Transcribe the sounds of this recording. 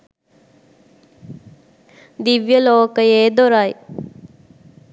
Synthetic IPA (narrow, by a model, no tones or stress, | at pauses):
d̪iʋjəloːkəjeːd̪oɾaj